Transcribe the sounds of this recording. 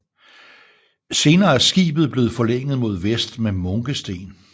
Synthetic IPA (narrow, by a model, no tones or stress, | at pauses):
se̝ːnɐːæɐsɡ̥ḭːb̥ð̩ˠb̥le̝ːð̩ˠfɒ̽leŋ̰ð̞̩ˠmo̝ð̞ˠʋesd̥memɔ̽ŋɡ̥əsd̥e̝̰ːn